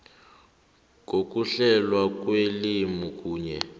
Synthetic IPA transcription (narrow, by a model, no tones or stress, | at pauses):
ŋok̬ʼuɬɛlwak̬ʼwelimukʼuːɲɛ̰